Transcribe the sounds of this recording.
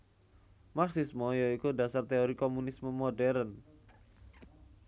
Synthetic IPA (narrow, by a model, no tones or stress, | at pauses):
maksɪsmɔjɔikudasart̪eoɾikomunisməmodɛɾən